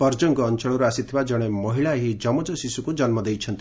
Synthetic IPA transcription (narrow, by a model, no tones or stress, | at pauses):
pɔɾd͡ʒɔŋɡɔːnt͡ʃɔɭɔɾuasit̪ʰibad͡ʒɔɽ̃emɔɦiɭaɦid͡ʒɔmɔd͡ʒɔsisukud͡ʒʌnmɔd̪ejt͡ʃʰʌnt̪i